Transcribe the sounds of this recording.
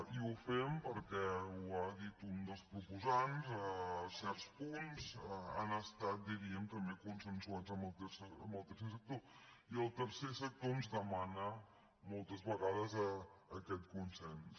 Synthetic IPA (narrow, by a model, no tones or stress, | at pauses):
iufɛmpəɾkɛuaðit̪und̪əspɾupuzanzəsɛɾt̪spunza̰nəst̪at̪̚d̪iɾiəmt̪əmbekunsənsuad͡zəməlˠt̪esəməlˠt̪əɾs̬esək̚t̪o | iəlˠt̪əɾsesək̚t̪oənzðəmanə | mɔlˠt̪əzβəɣaðəzəːkɛt̪kunsɛns